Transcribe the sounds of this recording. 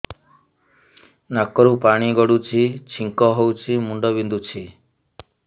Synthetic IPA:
nakɔɾupaɽ̃iɡɔɽut͡ʃʰit͡ʃʰiŋkɔɦowt͡ʃʰimuɳɖɔbind̪ut͡ʃʰi

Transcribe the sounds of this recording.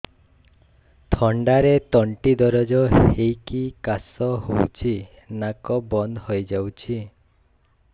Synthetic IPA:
t̪ʰɔɳɖaɾet̪ɔɳʈid̪ɔɾɔd͡ʒɔhejkikasɔhowt͡ʃʰi | nakɔbɔnd̪hojd͡ʒawt͡ʃʰi

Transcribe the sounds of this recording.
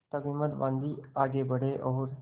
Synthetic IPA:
t̪əbĩːməd̪ʋãːnd̪iːaːɡebəɽ̤eʔɔːɾ

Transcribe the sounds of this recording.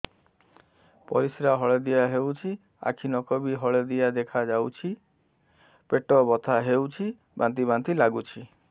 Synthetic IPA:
pɔ̰ɾisɾaɦɔɭed̪ijaɦewt͡ʃʰi | a̰kʰinɔkɔbiɦɔɭed̪ijad̪ekʰad͡ʒawt͡ʃʰi | peʈɔbɔt̪ʰaɦewt͡ʃʰi | ba̰nt̪ibant̪ilaɡut͡ʃʰi

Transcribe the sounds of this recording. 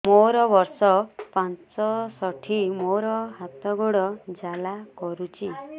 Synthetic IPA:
moɾɔbɔɾsɔpãnt͡ʃɔsɔʈʰimoɾɔɦat̪ɔɡoɽɔd͡ʒalakɔɾut͡ʃʰi

